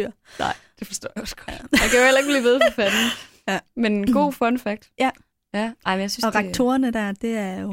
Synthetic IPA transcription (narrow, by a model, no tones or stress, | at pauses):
ɑ̰ɪ̰d̥e̝fɒ̽sd̥ɔ̰ːjɑɒ̽sɡ̥ɒdjæakʰæjohel̰ɐeɡ̥̚b̥lḭːʋe̝ð̞ˠɒ̽fæd̥n̩ | menenɡ̥o̝̰ːfɔnfæɡ̥̚d̥ | jænɑ̈ɪmenjasynsɒ̽ʁḁt͡sʰo̝ːɐnəd̥æɐd̥e̝æɐjo̝